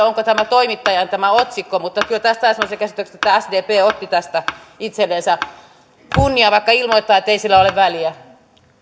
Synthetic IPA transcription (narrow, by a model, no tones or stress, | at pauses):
oŋkot̪æmæt̪oimit̪ːɑjɑnt̪æmæot̪sikːomut̪ːɑkylt̪æst̪æːsemːˑoseɑkæsi̥t̪økse̥t̪et̪ːææsd̪eːpeːot̪ːit̪æst̪æit̪selːensæ | kunːiɑʋɑikːɑilmoit̪et̪ːˑɑːet̪ːeisilːæoleʋʋæliæ